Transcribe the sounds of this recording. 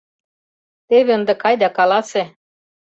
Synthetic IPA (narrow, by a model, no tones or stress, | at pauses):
t̪eβĕɤ̆nd̪ɤ̆kɑjd̪ɑkɑlɑse